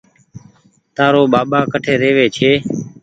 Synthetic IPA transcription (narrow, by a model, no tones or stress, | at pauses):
t̪aːɾoːɓaːɓaːkəʈʰeːɾeːʋeːt͡ʃʰeː